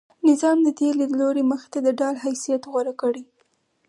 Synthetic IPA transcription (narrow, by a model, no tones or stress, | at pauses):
nɪzɑmd̪ət̪eleloɾeməxɪ̥t̪ad̪əɖɑlɦajsijat̪ɣwaɾakəɽi